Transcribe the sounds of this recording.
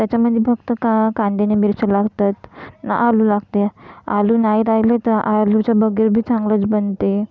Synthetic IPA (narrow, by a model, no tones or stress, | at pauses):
t̪jat͡ɕaməd̪ʱːjefəɡt̪əkakãnd̪enemiɾsəlaɡt̪at̪na̰ʔalulaɡt̪ealuːnaiɾajlet̪əɾʔalut͡ɕjabəɡiɾbʱiːt͡sãŋɡlət͡sbənt̪e